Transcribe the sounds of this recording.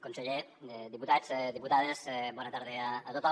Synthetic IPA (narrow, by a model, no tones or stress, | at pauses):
konseʎe | ed̪iput̪azd̪iput̪aðezɛbɔnat̪aɾðeaːt̪ot̪